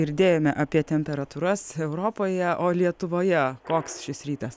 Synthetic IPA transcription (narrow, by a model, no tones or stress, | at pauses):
ɪɾʲd̪ʲeːjoːmʲɛʔɑːpʲiɛt̪ʲɛmʲpʲɛɾɐt̪uːɾɐsɛʊɾoːpoːjɛʔoːlʲiɛt̪ʊʋoːjɛkoːksʃʲɪsɾʲiːt̪ɐs